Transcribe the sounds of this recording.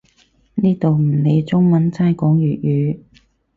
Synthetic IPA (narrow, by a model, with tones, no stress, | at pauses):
niː˥t̪o˨wm̩˨˩ne˨˧jt͡sʊ˥ŋmɐ˨˥nt͡saː˥jkɔː˨˥ŋjyː˨t̚jyː˨˧